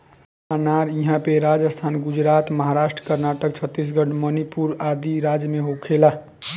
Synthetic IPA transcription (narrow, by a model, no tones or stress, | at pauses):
anaɾiɦãpeɾad͡ʒəst̪ʰanɡud͡ʒɾat̪məɦaɾasʈɾə̥kəɾnaʈək̚t͡ʃʰət̪ːis̬ɡəʈmənipuɾad̪iɾad͡ʒəmeɦokʰela